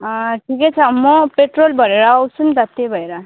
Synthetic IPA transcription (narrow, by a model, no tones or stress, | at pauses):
ʈʰiket͡sʰʌːmːɔpeʈɾolbʱʌɾeɾaʌwsʰund̪at̪ːebʱʌeɾa